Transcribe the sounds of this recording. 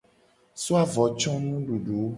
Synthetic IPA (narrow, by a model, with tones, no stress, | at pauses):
so˦a˨vɔ˨t͡ʃɔ̃˦nũ˦ɖu˨ɖu˨˦